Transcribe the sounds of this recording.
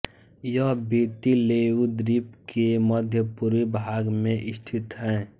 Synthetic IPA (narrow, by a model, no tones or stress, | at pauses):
jəɦbiːt̪ileːud̪ɾipkeməd̪ʱjəpuɾʋibʱaːɡmẽʔɪst̪ʰɪt̪ɦɛ̃ː